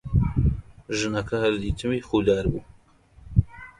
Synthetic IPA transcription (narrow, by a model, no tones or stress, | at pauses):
ʒɨnɐkʰɐhɐɾd̪it̪ʰɨmixuːd̪aːɾbu